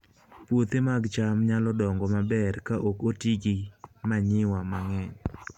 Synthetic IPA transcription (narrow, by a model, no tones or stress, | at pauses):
pwot̪emaɡt͡ʃamɲalɔdɔŋɡɔmabɛrkaʔokotiɡimaɲɪwamaŋɛɲ